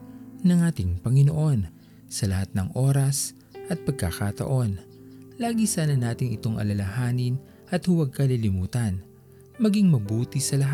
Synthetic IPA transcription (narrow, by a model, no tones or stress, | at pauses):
nɐŋaːt̪ɪŋpɐŋɪnoʔo̞n | sɐlɐhat̪̚nɐŋʔo̞ːɾɐs | ʔɐt̪̚pɐɡ̚kɐkat̪ɐ̰ʔo̞nlaːɡisaːnɐnaːt̪ɪŋɪt̪o̞ŋʔɐ̰lɐlɐhaːnɪn | ʔɐt̪hʊwɐɡ̚kɐlilɪmuːt̪ɐn | mɐɡiŋmɐbuːt̪isɐlɐɦa